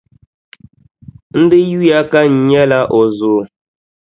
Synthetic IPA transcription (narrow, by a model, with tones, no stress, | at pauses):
n̩˦dɨ˦ju˦ja˦ka˦ɲ̩˨˦ɲɛ˦la˦ʔɔ˨zoː˨